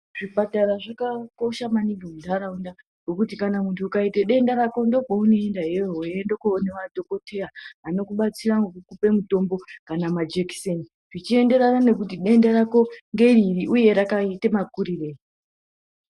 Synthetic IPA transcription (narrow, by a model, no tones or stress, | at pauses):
ʐ̥ipataɾaʐakako̞ʃamaniɡoundaɾaunda | ŋokutikanamuntʰuːkaiteɗe̞ndaɾako̞ndo̞kounoe̞ndaɦeoɦoendokoneʋadʱo̞ko̞tʰe̞aano̞kuɓat͡siraŋɡokukupe̞muto̞mbo̞kanamad͡ʒekseni | rit͡ʃie̞nde̞ɾanane̞k̬utiɗe̞ndaɾako̞ŋɡe̞ɾiriʔuje̞ɾakaitemakuɾire̞ːi